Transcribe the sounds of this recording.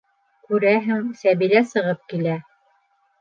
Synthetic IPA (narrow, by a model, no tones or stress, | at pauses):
kʉɾæɦæŋsæβiɾæsɤ̆ʁɤp̚kilæ